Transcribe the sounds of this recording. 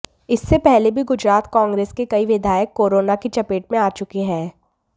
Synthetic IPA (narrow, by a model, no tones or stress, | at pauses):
ɪsːepɛɦlebʱiɡʊd͡ʒɾaːt̪kɔ̃ːŋɡɾeːskekɐiʋɪd̪ʱaːjəkːoːɾoːnakit͡ʃɐpeːʈmẽaːt͡ʃʊkiɦɛː